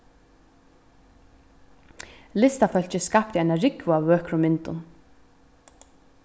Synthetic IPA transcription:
lɪst̪afœl̥t͡ɕɪskap̚t̪ɪajnaɾɪkvʊavːœːkɾʊmːɪnt̪ʊ̰n

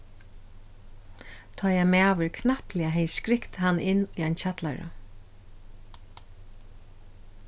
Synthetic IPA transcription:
t̪ʰɔːjɛmæːʋʏɹkʰnahpliaɦɛjskɾɪkt̪hanːʔɪnːiajnt͡ɕʰat̪la̰ɹa̰

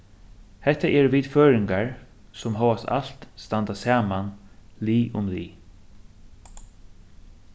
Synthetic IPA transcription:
hɛt̪ːaʔɛɹʋiːd̪føːɾɪŋkaɹ | sɔmɦɔːwast̪a̰l̥t̪st̪ant̪asaːmanliːʔʊmliː

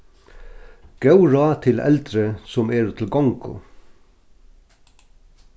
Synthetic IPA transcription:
ɡ̥ɑʉɹɑːt̪ʰɪlʔɛ̰ld̪ɾəsɔmeːɾt̪ʰɪl̩ɡɑŋkʰʊ̰

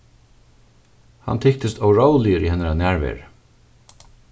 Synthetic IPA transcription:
ha̰nt̪ʰɪk̚t̪ɪst̪ɔwɹowlɪəɾihɛnaɾanæːɹvɛ̰ːɹ

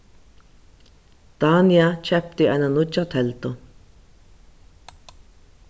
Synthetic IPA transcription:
t̪aːniat͡ʃʰɛp̚t̪iananʊt͡ʃat̪ʰɛlt̪o

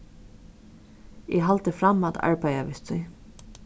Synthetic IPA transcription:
ɛ̰ɦalt̪əfɾamat̪ʰa̰ɹpajaʋɪst̪ʰʏj

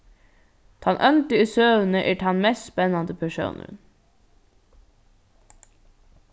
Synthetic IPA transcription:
t̪ʰɑnʔœnt̪əisøːʋn̩əʔeːʈʰɑnmɛst̪spɛnɑnd̪əpʰæʃṵːnʔə̰n

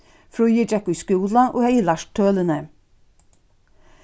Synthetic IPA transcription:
fɾoʏəd͡ʒɛkʉskuːlɑʔo̰ːhæɪlɑʃt̪ʰøːlənə

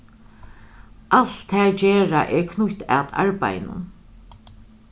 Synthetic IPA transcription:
ʔaɬt̪ʰːɛːɹt͡ɕeːɹaʔɛɹkʰnʊçt̪a̰t̪a̰ɹpa̰jnʊ̰n

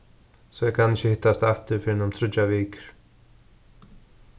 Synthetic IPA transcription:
sɔjɛkʰanɪhçɪhɪht̪ːast̪ɛft̪ɪɾ̥fɪɾɪnamt̪ʰɾʏt̪ːaviːkɾ̥

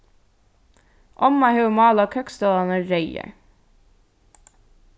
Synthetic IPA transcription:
ʔɔmɑhʉmɑːlɑːkʰœkst̪øːlɑnəɾœʏə̰

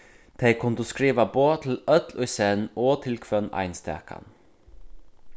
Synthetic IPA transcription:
d̪̥ʰeɪkʰʊnd̪uːskɾiːʋɑboːt̪ʰɪl̩œt̪lœʏseːnoːt̪ʰɪlkʰʋœnɑ̰ɪnst̪æ̰ːka̰n

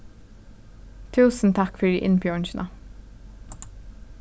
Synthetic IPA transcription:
t̪ʰʉːsn̩t̪ʰɑkfɔɹiːʔɪnpjɔɳʃnʔɑ

